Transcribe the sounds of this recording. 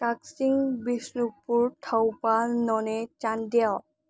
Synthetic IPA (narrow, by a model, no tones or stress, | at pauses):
taksiŋbisnupuɹtʰawpalnɔnɛt͡ʃandiaw